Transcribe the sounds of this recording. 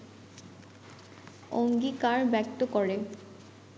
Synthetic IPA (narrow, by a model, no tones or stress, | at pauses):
oŋɡikaɹbɛk̚t̪okɔɹe